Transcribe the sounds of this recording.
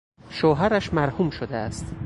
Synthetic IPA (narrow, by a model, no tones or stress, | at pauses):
ʃoːɦæɾæʃmæɾhuːmʃod̪eæst̪